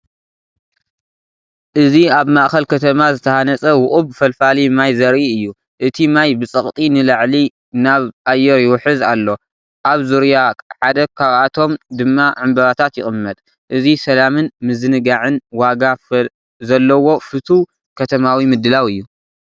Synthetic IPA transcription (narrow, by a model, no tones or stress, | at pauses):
ʔɨziaβmaʔxɐlkʰɐt̪ʰɐmazɨt̪ʰɐhanɐt͡sʼɐwʊχʼubfɐlfalimajzɐɾʔiɨjːu | ʔɨt̪ʰimajbɨt͡sʼɐχʼt̪ʼinɨlaʕli | naβʔajɛɾjɪwʊħɨzalːo̞ | ʔaβzuɾjaħad̪ɐkʰaβʔat̪ʰo̞md̪ɨmːaʕɨmbɐβat̪ʰat̪jɪ̰χʼɨmːɐt̪ʼ | ʔɨzisɐlamɨnmɨzɨnɨɡaʕɨnwaɡaf | zɐlːɐwo̞fɨt̪ʰu | kʰɐt̪ʰɐmawimɨd̪ːɨlawɨjːu